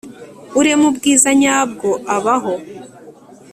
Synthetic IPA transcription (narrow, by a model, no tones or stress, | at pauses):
uɾemubɡiːzaɲaːb̚ɡo̞ʔaβaɦo̞